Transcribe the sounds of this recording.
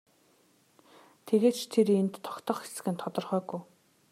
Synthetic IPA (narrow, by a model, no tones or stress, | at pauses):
t̪ʰeɣeːt͡ɕt̪ʰeɾent̪ʰːɔ̥kt̪ʰɞ̆χxe̥sɘ̥̆ɣɘ̆nt̪ʰɔt̪ɞ̆rχœːɣuj